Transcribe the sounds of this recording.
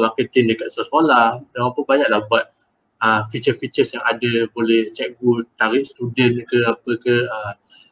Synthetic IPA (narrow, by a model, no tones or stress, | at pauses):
makət̪ɪndəkat̪̚səaskoladamampʊbaɲaʔ̚lahbat̪̚ | əfit͡ʃəfit͡ʃəsjaŋadəbolɛht͡ʃɛk̚ɡut̪aɾɪʔst̪udənkəapəkəhəm